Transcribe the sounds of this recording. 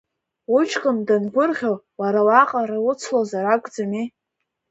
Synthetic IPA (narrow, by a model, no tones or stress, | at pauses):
ʊt͡ʃʰqʼəmdanɡʷʊrʁʲaw | waɾawaqʼaɾawʊt͡sʰlozaɾakʷʼd͡zami